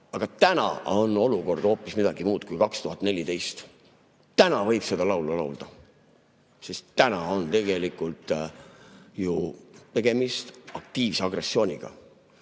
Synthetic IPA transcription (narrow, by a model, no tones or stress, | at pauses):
ɑɡ̥ɑt̪ænɑ̰o̞no̞luko̞rd̪o̞ːpːˑismid̪̥ɑɡ̥imuːd̪̥kujkɑkst̪uɦɑt̪ːˑne̞lʲit̪e̞jst̪ | t̪ænɑvɤ̞jb̥se̞d̪̥ɑlɑwlɑlɑwld̪̥ɑ | sest̪ːænɑo̞nt̪e̞ɡe̞likːˑult̪ˑ | jut̪e̞ɡ̥e̞mist̪ɑk̚t̪iːvseɑɡre̞sːio̞ːnʲiɡ̥ɑ̰